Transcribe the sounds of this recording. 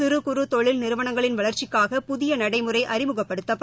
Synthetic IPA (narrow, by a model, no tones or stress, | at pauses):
ɪɾɯkʊɾɯt̪ɔɭɪlnɪɾɯʋɐɳɐŋɡɐɭɪnʋɐɭɐɾt͡ʃɪkːaːɣɐpʊðɪjɐnɐɽɐɪmɯrɐɪʔɐɾɪmɯɣɐpːɐɽɯt̪ːɐpː